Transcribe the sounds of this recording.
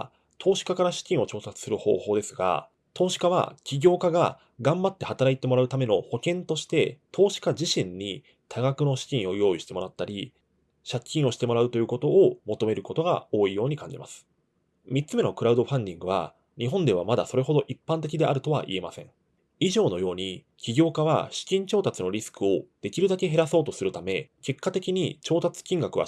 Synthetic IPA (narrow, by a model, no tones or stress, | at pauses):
t̪ʰo̞ːɕi̥kakaɾaɕi̥kʲĩɰ̃o̞t͡ɕo̞ːsat͡sɨ̥sɨɾɯ̟ho̞̰ːho̞ːd̪e̞sɨɡa̰ | t̪o̞ːɕi̥kaβa̰kʲiɡʲo̞ːkaɡa̰ | ɡãmbat̪ːe̞hat̪aɾait̪e̞mo̞ɾaɯ̟t̪ame̞no̞ho̞kẽ̞nt̪o̞ɕi̥t̪e̞t̪ʰo̞ːɕi̥kad͡ʑiɕĩɲ̟ːi | t̪ʰaɡakɯ̟no̞ɕi̥kʲĩɰ̃o̞jo̞ːiɕi̥t̪e̞mo̞ɾat̪ːaɾʲi | ɕakʲːĩɰ̃o̞ɕi̥t̪e̞mo̞ɾaɯ̟t̪o̞jɯ̟ːko̞t̪o̞ːmo̞t̪o̞me̞ɾɯ̟ko̞t̪o̞ɡa̰o̞ːijo̞ːɲ̟ikãɲ̟d͡ʑima̰sɨ̥ | mʲitt͡sɨme̞no̞kɯ̟ɾaɯ̟d̪o̞ɸãnd̪ʲĩŋɡɯ̟β̞a̰ | ɲ̟iɦõ̞nd̪e̞βamad̪aso̞ɾe̞ɦo̞d̪o̞ʔipːãnt̪̬e̞kʲid̪e̞ʔaɾɯ̟t̪o̞βa̰ʔḭe̞masẽ̞̰ŋ | iʑo̞ːno̞jo̞ːɲ̟i | kʲiɡʲo̞ːkaβa̰ɕi̥kʲĩɲ̟t͡ɕo̞ːt̪at͡sɨno̞ɾʲisɨ̥kɯ̟o̞d̪̥e̞kʲiɾɯ̟d̪ake̞ɦe̞ɾaso̞ːt̪o̞sɨɾɯ̟t̪ame̞ke̞kːat̪e̞kʲiɲ̟it͡ɕo̞ːt̪at͡sɨ̥kʲĩŋɡakɯ̟βa̰